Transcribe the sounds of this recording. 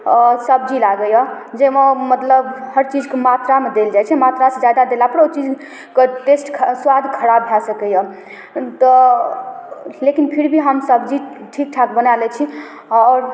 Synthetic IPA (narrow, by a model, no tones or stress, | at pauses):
səbd͡ʒilaɡəjəd͡ʒemãmət̪ləbhəɾt͡ʃid͡ʒkemat̪ɾamed̪eld͡ʒajt͡ʃʰɛmat̪ɾased͡ʒjad̪ad̪elapəɾot͡ʃid͡ʒ | keʈesʈkʰswad̪ʱkʰəɾabʱjasəkɛjə | t̪ɔ | lekinpʰiɾbʱiɦəmsəbd͡ʒiʈʰik̚ʈʰakbənalɛt͡ʃʰi | ɔɾ